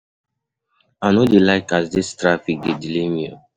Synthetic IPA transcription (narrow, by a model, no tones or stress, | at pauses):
anɔdelaɪkasdistɹafik̚dedilemiɔ